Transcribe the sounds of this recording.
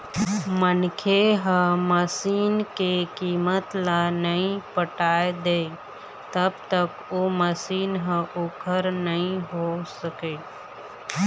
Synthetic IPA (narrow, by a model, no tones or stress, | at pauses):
mənkʰeɦə̃məsiːnkekiːmət̪lanəɦĩpəʈaːed̪eː | t̪əbt̪ək | oːməsiːnɦə̃ʔʊkʰəɾnəɦĩɦosəkeː